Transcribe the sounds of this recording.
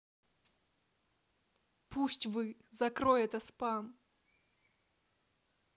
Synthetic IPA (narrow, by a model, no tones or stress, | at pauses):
pusʲtʲvɨzɐkɾojɛt̪ɐspan